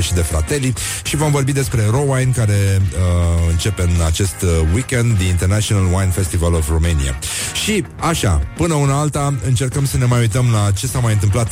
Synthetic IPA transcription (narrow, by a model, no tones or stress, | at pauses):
ʃid̪e̞fɾa̰t̪e̞li | ʃivo̞mvo̞rbid̪e̞spɾe̞ro̞wajnkaɾe̞əɨnt͡ʃe̞pe̞ɨnat͡ʃe̞st̪wikʲend̪ːiint̪e̞rnat͡ʃionalwajnfe̞st̪ivalovromenia̰ʃi | aʃa̰pɨnəunəalt̪aɨnt͡ʃe̞rkəmsəne̞majujt̪əmlat͡ʃe̞samajɨnt̪ɨmp̬lat̪